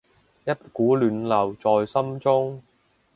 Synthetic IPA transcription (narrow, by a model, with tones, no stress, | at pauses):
jɐ˥t̚kuː˨˥lyː˨nlɐ˨˩wt͡sɔː˨jsɐ˥mt͡sʊ˥ŋ